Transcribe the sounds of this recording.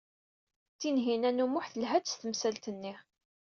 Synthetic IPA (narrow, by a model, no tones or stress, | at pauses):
t͡sːinɦinænumʊħθəlɦædst̪əmsælt̪ənːi